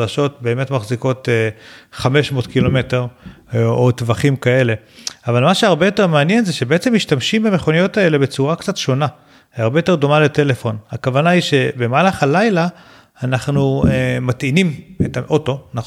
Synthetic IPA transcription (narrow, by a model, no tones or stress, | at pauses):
daʃo̞t̚be̞ːme̞tmaχziko̞t | χameʃmo̞ːtkilo̞me̞te̞ʁ | otvaχimkae̞le̞avalmaʃeaʁbe̞jo̞te̞ʁmeanje̞nzeʃe̞beet͡se̞miʃtamʃimbame̞χo̞nijo̞tae̞le̞be̞t͡suʁakt͡satʃo̞na | aʁbejote̞do̞malete̞le̞fo̞nakavanaiʃe̞bemaalaχalajlaː | naχnuematinimetaʔo̞to̞na